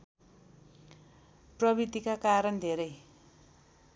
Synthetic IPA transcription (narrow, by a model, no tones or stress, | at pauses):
prʌbid̪ikakaɾʌnd̪ʱeɾʌj